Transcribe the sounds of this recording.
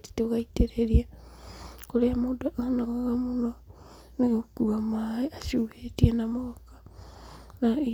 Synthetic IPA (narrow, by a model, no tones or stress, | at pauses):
ti̥toɣaiteɾeɾia | koɾemodaʔonaɣaɣamuno | neɣokuamaeasuhetianamookḁ | nai